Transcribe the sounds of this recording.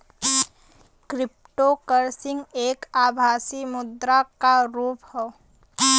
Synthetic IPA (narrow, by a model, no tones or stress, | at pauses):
kɾɪp̚ʈokəɾsɪ̃ŋɡeːkaːbʱaːsimʊd̪ɾakaɾuːphɛ